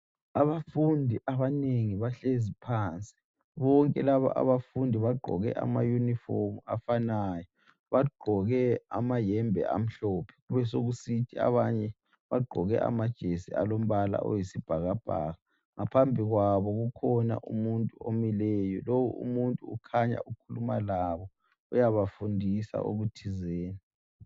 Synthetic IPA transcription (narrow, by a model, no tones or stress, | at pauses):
aβafundʱiʔaβaneŋiβaɬezipʰaːnt͡sʼi̥ | βɔŋkʼɛlaβa̰ʔa̰βafundʱiβaɡ͡ǃʱɔ̰ɣɛ̰ʔa̰majunifomuafanaːjɔ | βaɡ͡ǃʱɔɣɛa̰majɛmbʱɛ̰ʔa̰m̩ɬɔːpʰɛ̥ɣuβɛsoɣusitʰia̰βaɲɛ | βaɡ͡ǃʱɔɣɛ̰ʔa̰mad̥ʒ̥ʱesia̰lom̩βala̰ʔɔ̰jisib̥ʱaɣab̥ʱa̰ːɣa | ŋapʰambʱiɣwaβɔɣukʰɔna̰ʔṵmuntʼuomilɛjɔlowṵʔṵmuntʼuːkʰaɲa̰ʔukʰulumalaβɔ | ujaβafundʱisa̰ʔo̰ɣutʰizeːni